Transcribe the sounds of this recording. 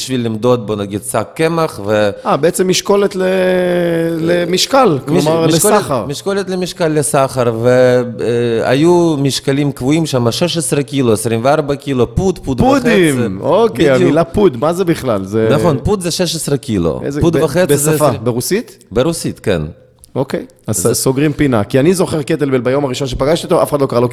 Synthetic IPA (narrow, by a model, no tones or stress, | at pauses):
iʃvilːimd̪ot̪̚bonaɡid̪sakːemaχveabeet͡semːiʃkolet̪le | lemiʃkalklmiaʁlskoaχaʁmiʃkolet̪lemiʃkalːesaχaɾve | a̰jumiʃkalimkvuimʃamaʃeʃ̬esɾekiloesɾimveaɾbakilopud̪pud̪pueχeimokbedajuilapud̪mazebiχlalzenaχo̞npud̪zeʃeʃesʁekilo̰ḛzpud̪vaχet͡sszafbeʁusit̪beʁusit̪kḛn | okej | asoɡʁimpinakianizo̞χeʁket̪elbelbajomaʁiʃonʃepaɡaʃt̪it̪oafe̥ad̪lokaʁalo